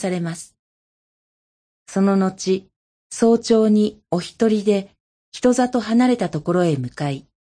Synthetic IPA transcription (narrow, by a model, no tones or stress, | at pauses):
saɾe̞masɨ̥ | so̞no̞no̞t͡ɕi | so̞ːt͡ɕo̞ːɲ̟io̞çi̥t̪o̞ɾʲid̪e̞ | çʲi̥t̪o̞zat̪o̞ɦanaɾe̞t̪at̪o̞ko̞ɾo̞e̞mɯ̟kai